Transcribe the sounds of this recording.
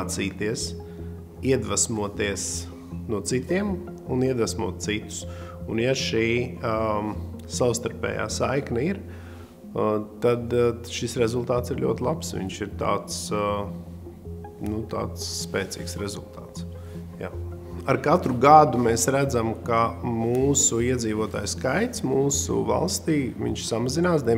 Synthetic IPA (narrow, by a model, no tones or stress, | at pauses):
t̪siːt̪iɛs | iɛd̪ʋasmuɔt̪iəs | nuɔt̪sit̪iɛm | uniɛd̪vasmuɔt̪̚sit̪u̥sunjaʃiː | saʊst̪aɾpʲɛ̰ːja̰ːsajknɐiɾ | t̪ad̪ʃisɾezulˠt̪aːt̪siɾlʲṵɔt̪ʲlˠapsʋḭɲʃiɾt̪a̰ːt̪s | nut̪a̰ːt̪sːpeːt̪sḭːksɾezṵlˠt̪aːt̪s | ja̰ː | aɾkat̪ɾuɡad̪umɛsɾæd̪zamkamuːsuiɛd̪ziːʋuɔt̪a̰ːjskajt̪smuːsṵva̰lˠst̪iːʋʲḭɲʃsamazinaːs̬d̪iɛ